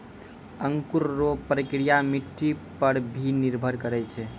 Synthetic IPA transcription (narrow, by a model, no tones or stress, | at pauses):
əŋkuɾːopɾəkɾijamiʈːipəɾbʱiniɾbʱəɾkəɾɛt͡ʃʰɛ